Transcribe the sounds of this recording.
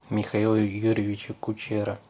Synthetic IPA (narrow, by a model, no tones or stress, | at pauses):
mʲɪxɐilˠjuɾʲɪvʲɪt͡ɕɪkʊt͡ɕeɾɐ